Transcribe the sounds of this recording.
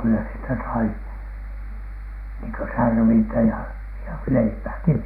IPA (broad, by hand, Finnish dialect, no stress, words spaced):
kylːæ sieltæ sɑi niːŋ kø særʋintæ jɑ jɑ leipæːki